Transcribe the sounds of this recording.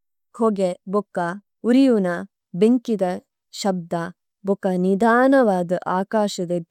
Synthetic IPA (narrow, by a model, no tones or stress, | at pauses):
kʰoɡebɔkːɐ | uɾijunɐ | beŋkid̪ɐ | ʃɐb̚d̪ɐ | bɔkɐnid̪aːnɐʋaːd̪ɐʔaːkaːʃɐd̪ɐ